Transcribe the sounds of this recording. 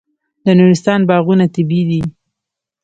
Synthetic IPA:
d̪ənuɾɪst̪ɑnbɑɣunat̪ɪbid̪i

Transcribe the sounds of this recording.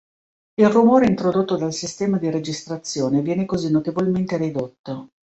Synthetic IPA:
ilrumoːɾeint̪ɾod̪ot̪ːod̪alsist̪ɛːmad̪iɾed͡ʒist̪ɾat̪sːjoːnevjɛːnekozinːot̪evolment̪eɾid̪ot̪ːo

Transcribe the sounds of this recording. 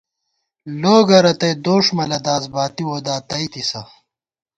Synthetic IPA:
loːɡɐɾɐt̪ɐjd̪oːʂmɐlɐd̪aːzbaːt̪iwoːd̪aːt̪ɐjt̪isɐ

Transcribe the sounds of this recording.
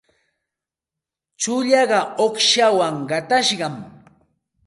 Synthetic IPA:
t͡ʃʊʎɑɢɑoχʃawaŋɢɑt̪aʃɢɑm

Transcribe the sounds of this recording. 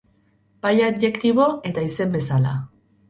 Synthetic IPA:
bajadʝe̞kt̪iβ̞o̞e̞t̪aise̞mbe̞sala̰

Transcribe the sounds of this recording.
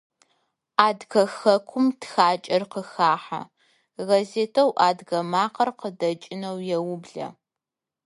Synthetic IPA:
aːdɣɐxɐkʷʰʊmtxaːt͡ʃʼɐrqəxaːħa̰ | ɣɐzeːtʰɐwʔaːdɣɐmaːqɐrqədɐt͡ʃʼɪnɐwjɛwʊbɮɐ̰

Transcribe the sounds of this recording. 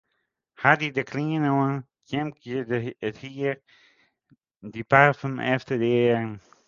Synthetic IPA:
hadidəkʰliənoən | kɛmkʰidəthiɾ | dipafəmʔɛftədɛːɾn

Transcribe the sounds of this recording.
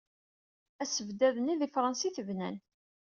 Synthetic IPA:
æsəvd̪æðəniðifɾˤɑnsiθəvnæn

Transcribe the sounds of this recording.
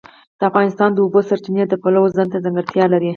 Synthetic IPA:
d̪̥əafɣɑnɪst̪ɑnd̪əubosaɾt͡ʃined̪əpalawozant̪azaŋɡaɾt̪jɑlaɾi

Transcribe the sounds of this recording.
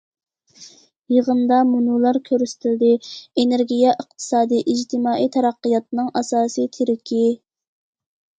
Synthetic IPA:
jəʁənd̪ɑmunulˠɑɾkʲʰøɾyst̪ʰɪld̪ɪeneɾɡʲijɛʔəq̚t̪ʰɨ̥sɑːd̪ɨʔid͡ʒt̪ʰɪmɑːit̪ʰɛɾɑqːəjɑt̪̚nɨŋʔɑsɑːsijt̪ʰeɾɪkʲʰi

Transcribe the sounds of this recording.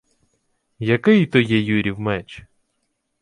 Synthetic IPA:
jɐkɪjt̪ɔjɛjuɾʲiwmɛt͡ʃ

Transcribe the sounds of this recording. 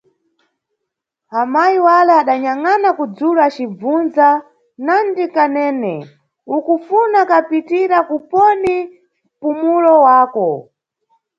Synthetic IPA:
amajiwalɛaɗaɲaŋanakud͡zuluat͡ʃib͡vunza | nandikanɛːnɛ̰ | ukufunakapitiɾakupɔni | pumulɔwaːkɔ

